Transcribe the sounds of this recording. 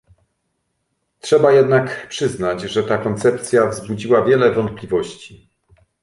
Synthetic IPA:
tʂɛbajɛd̪nakpʂɘznad͡ʑʐɛt̪akɔnt̪sɛp̚t̪sʲjavzbud͡ʑiwavʲjɛlɛvɔnt̪̚plʲivɔɕt͡ɕi̥

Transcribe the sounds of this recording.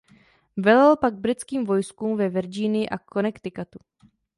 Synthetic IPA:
vɛlalpaɡ̚bɾɪt͡skiːmvo̞jskuːmvɛvɛɾd͡ʒiːnɪjɪʔakʰo̞nɛkt̪ɪkat̪u

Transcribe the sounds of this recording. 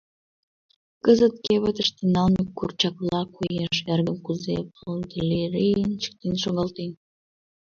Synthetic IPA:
kəzə̆t̪̚keβə̆t̪ə̆ʃt̪enɑlmʲikːurt͡ɕɑklɑkujeʃerɡə̆mkuzḛpold̪ʲilʲeɾejənt͡ɕə̥k̚t̪enʃoɣɑlt̪en

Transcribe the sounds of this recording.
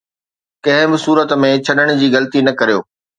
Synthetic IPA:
kɐ̃ɦɪ̃bɪsuːɾət̪mẽt͡ɕʰɐɗəɽ̃d͡ʑiːɣɐlt̪inɐkɐɾijoː

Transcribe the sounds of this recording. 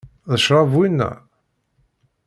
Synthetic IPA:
ðəʃɾˤɑvwinːæ̰

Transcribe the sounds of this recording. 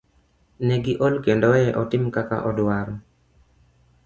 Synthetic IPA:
nɛɡɪʔolkendɔɛɛʔɔtɪmkaka̰ʔɔdwaɾɔ

